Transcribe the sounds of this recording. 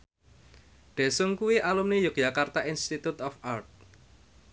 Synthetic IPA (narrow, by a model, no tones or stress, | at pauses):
ɖ̪̥ɛ̤sʊŋkuwiʔalumnejʊk̚jakart̪aʔinst̪it̪ut̪ɔfart̪̚